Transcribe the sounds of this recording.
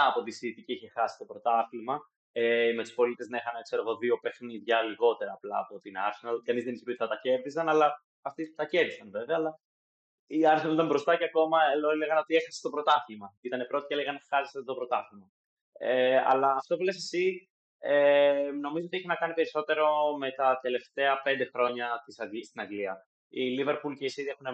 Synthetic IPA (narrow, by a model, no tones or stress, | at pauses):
ɐːpo̞t̪isiːt̪iciiçe̞xɐsi̥st̪o̞pɾo̞t̪ɐθlimɐ | emet̪u̥spo̞lit̪eznɐexɐnɐkse̞ɾe̞ɣo̞ðio̞pe̞xniðʝɐliɣo̞t̪e̞ɾɐːplɐ̰ːpo̞t̪inɐ̰ɾsenɐlkɐnizðe̞nispit̪ɐt̪ɐce̞ɾðisɐnɐlɐː | ft̪ist̪ɐceɾðisɐnve̞ve̞ɐːlɐ | iɐɾsenɐlit̪ɐmbɾo̞st̪ɐceɐko̞mɐeloele̞ɣɐno̞t̪iexɐse̥st̪o̞pɾo̞t̪ɐθlimɐit̪ɐne̞pɾo̞t̪i̥celeɣɐnexɐɾist̪ot̪opɾo̞t̪ɐθimɐ | eɐ̰lɐːft̪o̞vilesesi | eno̞mizoot̪ieçenɐkɐnipe̞ɾiso̞t̪e̞ɾo̞me̞t̪ɐt̪e̞le̞ft̪e̞ɐpe̞nd̪e̞xɾo̞ɲɐt̪isɐɡist̪inɐŋɡliɐ | ilive̞ɾpulceisiðie̞xune